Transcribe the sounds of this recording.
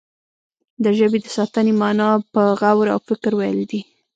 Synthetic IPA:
d̪əʒəbed̪əsɑt̪ənemɑnɑpəɣawɾa̰wfɪkɾwajld̪i

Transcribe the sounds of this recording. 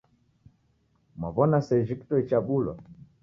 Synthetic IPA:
maβɔnasɛd͡ʒiktɔit͡ʃaɓulɔ̰

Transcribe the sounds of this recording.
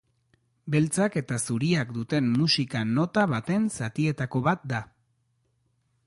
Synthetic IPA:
be̞lt͡sake̞t̪asuɾiakd̪ut̪e̞mːusikano̞t̪aβ̞at̪e̞nsat̪ie̞t̪ako̞βat̪̚d̪a

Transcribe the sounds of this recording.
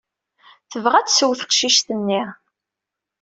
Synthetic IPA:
θəvʁæt͡ssəwθə̥qʃiʃt̪ənːiʁ

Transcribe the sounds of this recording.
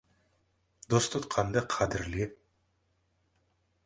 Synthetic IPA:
d̪ost̪ʰʊt̪qʰɑnd̪ɑqʰɑd̪ɪɾli

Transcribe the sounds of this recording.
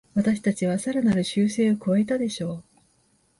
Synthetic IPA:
βat̪aɕi̥t̪at͡ɕiβasaɾanaɾɯ̟ɕɨːse̞ːo̞kɯe̞t̪ad̪e̞ɕo̞ː

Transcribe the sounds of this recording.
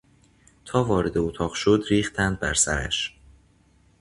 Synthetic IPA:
t̪ʰɒːvɒːɾe̞d̪eot̪ʰɒːʁʃod̪ɾiːxt̪ʰænd̪̚bæ̰ɾsæɾæ̰ʃ

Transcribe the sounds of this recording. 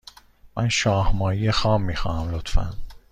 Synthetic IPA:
mʔænʃɒːhmɒːijexɒːmːiːxɒ̰ːnæmlot̪fæ̰n

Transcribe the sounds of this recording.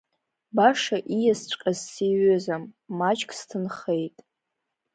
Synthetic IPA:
baʂaʔijast͡ɕʷʼqʲʼazːiɥʏzamːat͡ʃʼkʰʼstʰɨnχe̞jtʼ

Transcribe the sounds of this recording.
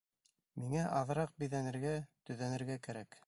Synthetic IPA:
miŋæʔɑðɤ̆ɾɑq̚bĭðænɘ̆ɾɡæt̪ɵ̆ðænɘ̆ɾɡækæɾæk

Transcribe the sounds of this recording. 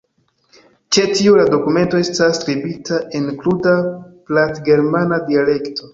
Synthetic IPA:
t͡ʃe̞tiulado̞kume̞nto̞e̞staskɾibitʰaʔenkludaplatɡe̞ɾmanadiale̞kto̞

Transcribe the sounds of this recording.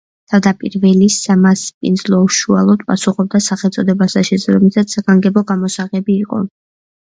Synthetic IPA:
t̪ʰavd̪apʼḭɾvɛlisamaspʼḭnd̪zlˠɔuʃualˠɔd̪̚pʼasuχɔb̚d̪asaχɛlˠt̪sʼɔd̪ɛbasaʃɛzɾɔmisat̪ssaɡaŋɡɛbɔɡamɔsaʁɛbiːqʼɔ̰

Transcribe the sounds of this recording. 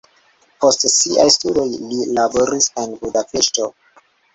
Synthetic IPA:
po̞stsiʔajstudo̞jlilabo̞ɾise̞nbudapeʃto̞

